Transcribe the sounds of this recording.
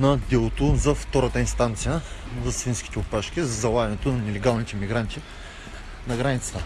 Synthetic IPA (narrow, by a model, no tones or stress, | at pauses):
nɐd̪ɛlˠot̪ozɐft̪ɔɾət̪əinst̪ant̪sijəzɐsfinskʲi̥t̪ɛʊpaʃkʲizɐzɐlˠaɡɐnɛt̪onɐnɛlɛɡalˠnit̪ɛmiɡɾant̪i | nɐɡɾanit̪sə̥t̪ə